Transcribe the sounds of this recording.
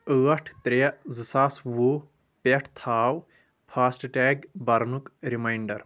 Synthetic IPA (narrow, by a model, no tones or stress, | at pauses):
əːɐʈʰt̪ɾejɐzɨsaːswu | peʈʰt̪ʰaːw | pʰaːsʈʈɛːɡbɐɾnukɾimajɳɖɐɾ